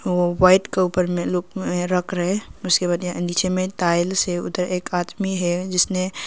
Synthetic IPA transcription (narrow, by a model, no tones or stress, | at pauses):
oʋaɪʈkeupəɾmẽlok̚ẽɾəkʰɾəɦeʊskebaːd̪nit͡ʃʰemẽt̪aɪlseʊ̰d̪əɾeːkad̪miɦɛd͡ʒɪsne